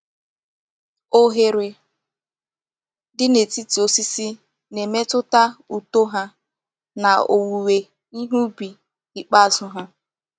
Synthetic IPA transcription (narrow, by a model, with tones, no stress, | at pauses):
o˦ɦe˨ɾɪ˨ | dɪ˦ne˨ti˦ti˨o˦si˦si˦ | ne˨me˦tʊ˦ta˦u˨to˦ɦa˦ | na˨o̰˨wu˨we˨ | i˦ɦu˦bi˨ | i˨k͡pa˦˨zʊ˦ɦʊ˦